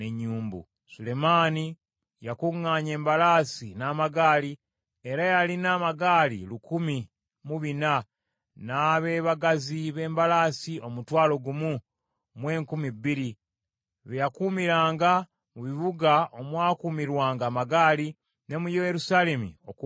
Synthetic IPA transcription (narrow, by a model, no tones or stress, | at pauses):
ne̞ɲːuːmbṵ | sule̞maːni | jakuŋːaːɲe̞ːmbalaːsinaːmaɡaːli | e̞ɾajalinaːmaɡaːlḭlukumi | muβina | naːβe̞ːβaɡaziβe̞ːmbalaːsio̞mutwaːlo̞ɡumu | mwe̞ːŋkumibːiɾi | βejakumiɾaːŋɡa | muβiβuɡao̞mwaːkuːmiɾwaːŋɡaːmaɡaːli | ne̞mujejeɾusaːle̞mḭok